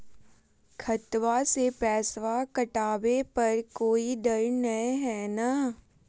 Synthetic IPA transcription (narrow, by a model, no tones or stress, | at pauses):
kʰɐt̪wasepɛːsʋakɐʈaːbepɐɾkoːiɖɐɾnɐeɦɛːna